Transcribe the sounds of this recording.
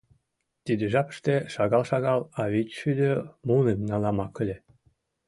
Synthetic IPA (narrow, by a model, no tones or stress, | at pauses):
t̪id̪ĕʒɑpə̥̆ʃt̪eʃɑɣɑlˠʃɑɣɑlɑβit͡ɕʃyd̪ʲømunemnɑlɑmɑkə̆lʲe